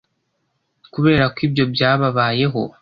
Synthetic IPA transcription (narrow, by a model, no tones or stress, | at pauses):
kuβe̞ːɾakwiːbjo̞bjaːβaβaːje̞ɦo̞̰